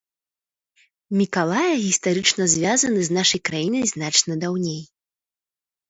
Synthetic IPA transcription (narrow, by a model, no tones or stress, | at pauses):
mʲikalˠajɐɣʲist̪aɾɨt͡ʂnɐzʲvʲazɐnɨznaʂɐjkɾajinɐjznat͡ʂnɐd̪awnʲej